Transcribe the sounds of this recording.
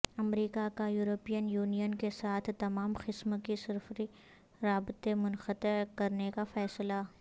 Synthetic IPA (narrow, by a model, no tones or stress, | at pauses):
ɐmɾiːkakajuːɾopiːənjuːnijənkesaːt̪ʰt̪ɐmaːmxɪsməkisɪɾfɾi | ɾaːbɪt̪emʊnxət̪əɾkɐɾnekafɛːsla